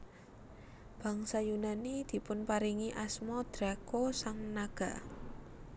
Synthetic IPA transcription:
b̥ä̤ŋsajunanid̪̥i̤pʊnpaɾiŋiʔasmɔd̪̥ɾakosaŋnaɡ̥a̤

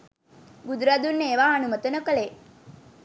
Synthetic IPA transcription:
ɡud̪ɾaːd̪unːeːʋaːnumət̪ənəkəle

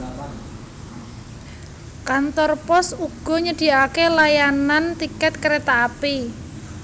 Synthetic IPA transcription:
kant̪ɔrpɔsuɡ̥ɔ̤ɲəɖ̥i̤akelajanant̪ikɛt̪̚kəɾet̪aːpi

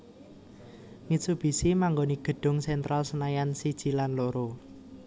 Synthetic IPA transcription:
misub̥i̤simaŋɡoniɡ̥ə̤ɖ̥ʊ̤ŋsɛnt̪ɾalsənajansid̥ʒ̥i̤lanloɾo

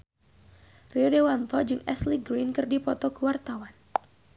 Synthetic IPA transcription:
riɔdewant̪ɔd͡ʒɨŋɛ̰sliɡɾinkɨrdipɔt̪ɔkəwart̪awan

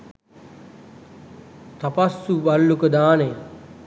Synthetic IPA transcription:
t̪apasːubalːukəd̪aːnej

